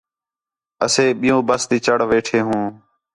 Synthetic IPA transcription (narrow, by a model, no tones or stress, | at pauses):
əseːɓɪjõːbəst̪iːt͡ʃəɽʋeːʈʰeːɦũː